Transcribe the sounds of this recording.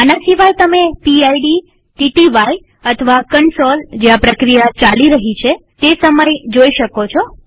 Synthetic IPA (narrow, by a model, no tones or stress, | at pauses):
anasiʋajt̪əmepiajɖi | ʈiʈiʋaj | ət̪ʰəʋakəɳsold͡ʒeapɾəkɾijat͡ʃaliɾəɦit͡ʃʰet̪esəməjd͡ʒoiʃəkot͡ʃʰo